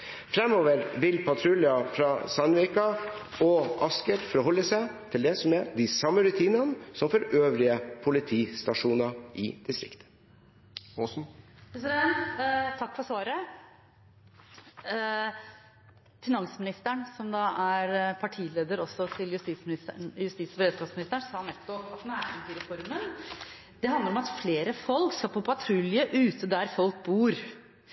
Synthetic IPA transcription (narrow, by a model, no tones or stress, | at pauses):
fɾɛmːoːʋəɾʋɪlpʰɑt̪ʰɾʉlɪɑfɾɑsɑnʉɪkɑɔʔɑskəɾfɔɾhɔlːəsæɪt̪ʰɪld̪ɛsɔmɛd̪ɪsɑmːəɾʉt̪ʰiːnɑnəsɔmfɔɾøːʋɾɪəpʰʊlɪt̪ʰiːst̪ɑʂuːnɑʔɪd̪̥ɪst̪ɾɪ̰kt̪ə̥ | ɔsn̩sɾɛ | t̪ʰɑkːfɔsɑːɾə | fɪnɑŋsəmɪnɪst̪əɳsɔmd̪ɑːʔæɾpʰɑʈʰiːleːd̪əɾɔsɔt̪ʰɪljʉst̪iːt̪smɪnɪsəɳjʉst̪iːsɔbəɾeːd̪skɑːsmɪnɪst̪əɳsɑːnɛt̪ːʊɑt̪næːɾɪnt̪ʰiːɾɛfɔɾmən | d̪̥ɛɦɑnd̪əɾɔmɑt̪fleːɾəfɔlkskɑpʰɔpʰɑt̪ʰɾʉljəʔʉːt̪ʰəd̪æɾfɔlk̚buːɾ